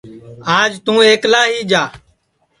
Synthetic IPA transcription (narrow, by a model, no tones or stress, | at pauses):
aːd͡ʒt̪ũːeːklaːɦiːd͡ʒaː